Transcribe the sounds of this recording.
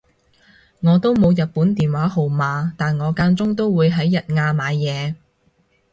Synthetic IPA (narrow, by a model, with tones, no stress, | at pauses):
ŋɔː˨˧t̪o˥wmo˨˧wjɐ˨t̚puː˨˥nt̪iː˨˩nwaː˨˥ɦo˨wmaː˨˧t̪aː˨nŋɔː˨˧kaː˧nt͡sʊ˥ŋt̪o˥wwuː˨˧jɦɐ˨˥jːɐ˨t̚ŋaː˧maː˨˧jːɛː˨˧